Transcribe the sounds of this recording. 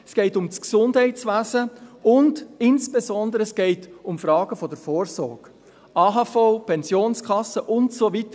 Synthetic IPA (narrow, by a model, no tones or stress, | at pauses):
sɡ̥ɛɪtʊmt͡sksʊndhɛɪt͡svæːzəʊndɪnsb̥ezɔndəɾəɛsɡ̥ɛɪtʊmfrɑːɡ̥əfɔdəɾfɔːɾsɔɾɡ̥ | ʔɑːɦɑfɔʊpʰɛnzjoːnskʰɑsːəʔʊntsovitə